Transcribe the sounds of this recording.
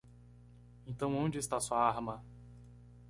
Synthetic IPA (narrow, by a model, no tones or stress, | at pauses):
ẽnt̪ɐ̃w̃õd͡ʒɪst̪asuɐaɾmɐ